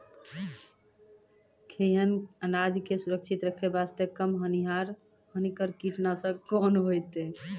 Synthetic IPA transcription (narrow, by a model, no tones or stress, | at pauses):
kʰeɦənənad͡ʒikesuɾəkt͡ʃʰit̪ɾəkʰebast̪ekəmɦəniɦaɾ | hənikəɾkiʈnasə̃konɦojt̪e